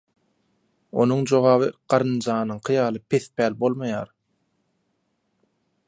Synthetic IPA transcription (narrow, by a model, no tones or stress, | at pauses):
o̞nuŋd͡ʒo̞ʁɑːβɯɢ̥ɑɾɯnd͡ʒɑːnɯɴqʰɯjɑːlˠɯpʰe̞θpæːlbo̞lˠmɑjɑːɾ